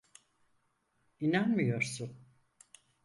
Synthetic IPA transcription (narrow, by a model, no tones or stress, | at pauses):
inanmijo̞ɾsʊn